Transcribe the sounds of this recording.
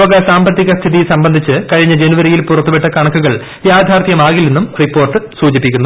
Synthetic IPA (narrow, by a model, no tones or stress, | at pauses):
oɣɐsaːmbɐt̪ːiɣɐst̪ʰiðisɐmbɐnd̪ʱit͡ɕːɨkɐɻiɲːɐd͡ʑenuʋɐɾijilpurɐt̪ːupeʈːɐkɐɳɐkːuɣɐɭ | jaːd̪ʱaːrt̪ʰjɐmaːɣilenːumripːo̞ːrʈɨsuːd͡ʑipːikʲːunːu